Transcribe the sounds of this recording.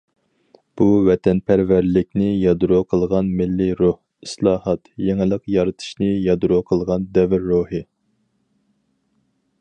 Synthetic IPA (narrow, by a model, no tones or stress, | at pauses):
b̥uvɛt̪ʰɛnpʰæɾvæɾlɪkʲnɪjɑd̪uɾoqʰəlˠʁɑnmɪlːiɾoh | i̥slˠɑːhɑt̪jeŋɪlˠəqjɑɾɨt̪ʰɨ̥ʃnɪjɑd̪uɾoqʰəlˠʁɑnd̪ɛvɪɾːohɨ